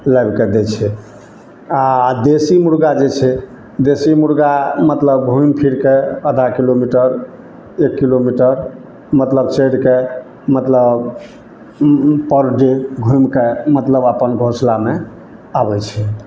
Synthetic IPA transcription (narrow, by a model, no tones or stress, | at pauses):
lajbked̪et͡ʃʰɛ | ad̪esimuɾɡad͡ʒet͡ʃʰɛ | d̪esimuɾɡamət̪ləbɡʱujmpʰiɾkeəd̪ʱakilomiʈəɾ | ekːilomiʈəɾ | mət̪ləbt͡ʃeɽke | mət̪ləb | pəɾɖeɡʱujmkemət̪ləbapənɡʱõslame | abɛt͡ʃʰɛ